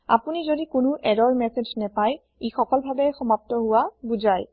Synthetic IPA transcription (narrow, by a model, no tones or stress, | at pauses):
a̰punizodikʊnʊʔɛdɔɹmɛsed͡ʒnɛpaj | ixɔkɔlbʱabɛxɔmap̚tɔɦʊwabuzaj